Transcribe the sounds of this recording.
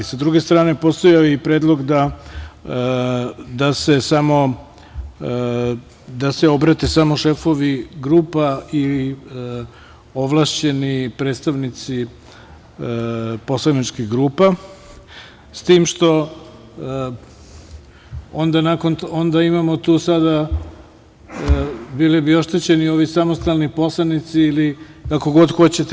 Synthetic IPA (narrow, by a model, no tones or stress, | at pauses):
sad̪ɾuɡe̞st̪ɾaːne̞po̞st̪ojaipɾeːd̪lˠo̞ɡd̪a | d̪ase̞samo̞ | d̪aseo̞bɾat̪e̞samoʃe̞fo̞ʋiɡɾuːpai | o̞ʋlˠaʃt͡ɕe̞nipɾe̞ːt̪st̪aʋnit̪si | po̞slˠanit͡ʃkiɣɡɾuːpa | st̪iːmʃt̪o̞ | o̞nd̪anakonond̪aimamo̞t̪uːsad̪a | bilibio̞ʃt̪et͡ɕe̞nio̞ʋisamost̪alˠnipo̞slˠanit̪siːli | kako̞ɡo̞d̪xo̞t͡ɕet̪